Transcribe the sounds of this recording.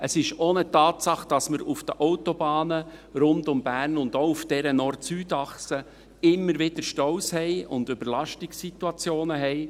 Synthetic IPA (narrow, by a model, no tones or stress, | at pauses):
əsɪʃonətɑːtsɑχd̥ɑsməɾufd̥əʔɔʊtobɑːnəɾʊntʊmbæːɾnʊnd̥̪oʊufd̥ɛɾənɔrtsyːtɑχsə | ɪmːəɾʋɪd̥əɾʃtɔʊshɛɪʊndʏbəɾlɑʃtɪksit̪uɑt͡sjoːnəɦɛɪ